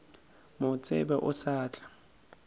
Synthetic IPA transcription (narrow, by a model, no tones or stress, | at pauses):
mʊt͡sʼɪ̰bɛʔʊsaːt͡ɬʼḁ